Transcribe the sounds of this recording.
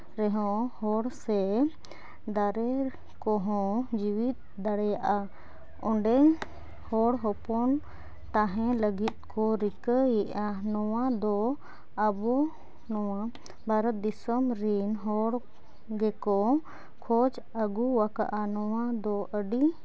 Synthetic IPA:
ɾɛɦɔ̃hɔɽsɛ | d̪aɾɛ | kɔɦɔ̃d͡ʒiwit̪̚d̪aɽɛjaʔa | ɔ̃ɳɖɛŋ | hɔɽɦɔpɔn | t̪aɦɛ̃ləɡit̪̚kʰɔɾikəjɛʔanɔwad̪ɔ | abɔ | nɔwa | bʱaɾət̪̚d̪isɔmɾinɦɔɽ | ɡɛkɔ | kʰɔd͡ʒ | əɡuwaka̰ʔanɔwad̪ɔʔəɖi

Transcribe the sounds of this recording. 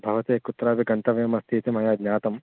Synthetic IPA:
bʱɐʋɐt̪eːkut̪ɾaːbiɡɐnt̪ɐʋeːmɐst̪iːt̪imɐjaːɡ̪nɲaːt̪ɐm

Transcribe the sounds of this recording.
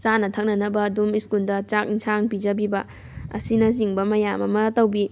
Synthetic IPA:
t͡ʃanɐtʰɐk̚nɐnɐbɐːdumiskuldɐt͡ʃak̚iŋsʰaŋpid͡ʒɐbibɐ | ɐ̰sinɐziŋbɐmɐjamɐmɐtɐwbi

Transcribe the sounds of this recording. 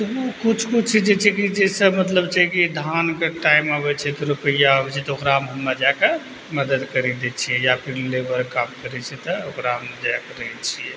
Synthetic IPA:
t̪əukut͡ʃʰkut͡ʃʰɛd͡ʒet͡ʃʰɛkid͡ʒesəbmət̪ləbt͡ʃʰakid̪ʱankeʈaimaβɛt͡ʃʰɛt̪ɔɾupəjaəbɛt͡ʃʰɛt̪ɔokɾaɦmɦəmːəd͡ʒake | məd̪əd̪kəɾɛd̪ɛt͡ʃʰijɛjapʰilebəɾkamkəɾɛt͡ʃʰɛt̪ɔokɾaɦəmd͡ʒakeɾəɦɛt͡ʃʰiɛ

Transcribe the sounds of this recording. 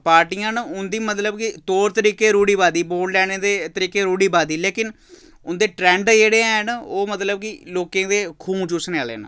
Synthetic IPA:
paːɾʈiːãːnʊnd̪iːmət̪ləbkɪt̪oːɾt̪əɾiːkeːɾuːɽiːbaːd̪iːboːɖɖɛːneːd̪eːt̪əɾiːkeːɾuːɽiːbaːd̪iːleːkɪn | ʊnd̪eːʈɾɛ̃ːɳɖd͡ʒeːɽeːɛnoːmət̪ləb̚kɪloːkẽːd̪eːkʰũːmt͡ʃʊsnea̰ːlḛːn̰

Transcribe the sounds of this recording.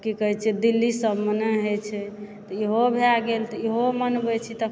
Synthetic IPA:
kikəɦɛt͡ʃʰɛd̪ilːisəbmənəɦot͡ʃʰɛt̪ɔiɦobʱeaɡelt̪ɔiɦomənbɛt͡ʃʰit̪ə

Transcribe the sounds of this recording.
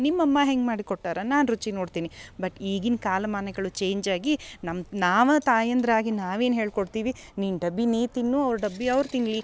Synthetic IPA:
nimːɐmːɐɦeŋɡmaːɽikoʈːaːɾɐnaːnɾut͡ʃinoːɖt̪iːnibɐʈiːɡinkaːlɐmaːnɐɡɐɭut͡ʃe̞ːɲd͡ʒaːɡinɐmnaːʋɐt̪aːjɐnd̪ɾɐaːɡinaːʋe̞ːnɦe̞ːɭkoɽt̪iːʋi | ninɖɐbːiniːt̪inːuːɐʋɾuɖɐbːiɐʋɾt̪iŋɡli

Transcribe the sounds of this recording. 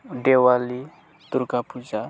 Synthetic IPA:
ɖewali | t̪uɾkapud͡ʒa

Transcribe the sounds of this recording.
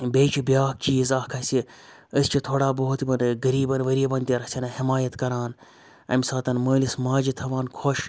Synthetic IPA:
bʲeːt͡ʃʰibjaːkiːzaːkʰɐsʲi | əst͡ʃʰit̪ʰoːɽaːbɐɦut̪ibɐnɡɐɾiːbɐnʋɐɾiːbɐnt̪ʲiɾɐsʲɐnɐhimaːjɐt̪kɐɾaːn | ɐ̰misaːt̪ɐnməːlismaːd͡ʒit̪ʰɐʋaːnkʰoʃ

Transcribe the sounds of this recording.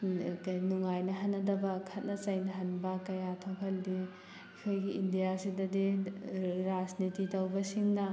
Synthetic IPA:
knuŋajnɐɦɐnːɐdɐbɐkʰɐt̚nɐt͡ʃɐjnɐɦɐnbɐkɐjatʰokʰɐldi | kʰojɡiindijasidɐdi | ɾad͡ʒnititɐwbɐsiŋnɐ

